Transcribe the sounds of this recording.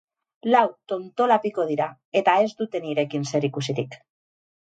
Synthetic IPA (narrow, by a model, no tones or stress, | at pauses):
lawt̪o̞nt̪o̞lapiko̞ð̞iɾa | e̞t̪ae̞zd̪ut̪e̞niɾe̞kinse̞ɾikusiɾik